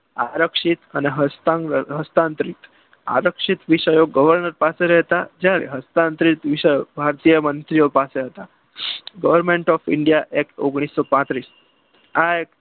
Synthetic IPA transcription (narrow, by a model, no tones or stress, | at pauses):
aɾəkʂit̪aneɦəst̪ãŋɦəst̪ant̪ɾit̪ | a̰ɾəkʂit̪ʋiʂəjoɡəʋəɾɳəɾpaseɾɛɦt̪ad͡ʑjaɾḛɦəst̪ant̪ɾit̪ʋiʂəjobʱaɾt̪ijəmənt̪ɾijopaseɦət̪a | ɡəʋəɾmeɳʈɔfiɳɖijaʔekoɡɽ̃isːɔpãt̪ɾiːs | aek̚